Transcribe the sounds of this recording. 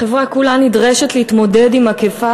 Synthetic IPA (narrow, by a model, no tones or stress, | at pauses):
e̞vʁakulanidʁeʃetlehitmo̞dedimakefa